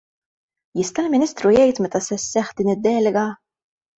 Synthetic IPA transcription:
jɪst̪ɐlmɪniːst̪ɾujɛjt̪mɛt̪ɐsɛsːɛħd̪iːnɪd̪ːɛːlɛɡɐ

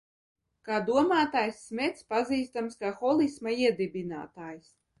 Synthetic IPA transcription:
kaːd̪uɔmaːt̪aːjsːmʲɛt̪spaziːst̪amskaxɔlˠismaiɛd̪ibʲina̰ːt̪aːjs

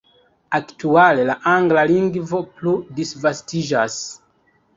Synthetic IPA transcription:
aktuale̞laʔaŋɡlaliŋɡvo̞pludisvastid͡ʒas

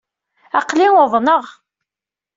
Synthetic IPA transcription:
ɑqlinʊðˤnəʁ

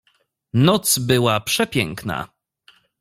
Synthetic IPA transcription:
nɔt̪sbɘwapʂɛpʲjɛ̰ŋkna̰

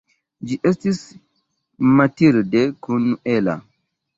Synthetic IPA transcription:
d͡ʒiʔɛst̪is | mat̪iɾdɛkunːuʔɛla̰

